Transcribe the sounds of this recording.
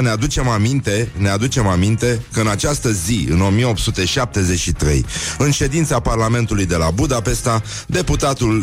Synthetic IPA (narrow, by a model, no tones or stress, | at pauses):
nead̪ut͡ʃe̞mamint̪e̞ne̞ad̪ut͡ʃe̞mamint̪e̞kəɨnat͡ʃast̪əziɨ̰no̞mijeo̞pt̪sut̪e̞ʃap̚t̪e̞ze̞t͡ʃʃit̪ɾe̞̰jɨnʃe̞d̪int̪saparlame̞nt̪ulujd̪e̞labud̪ape̞st̪a | d̪e̞put̪at̪ul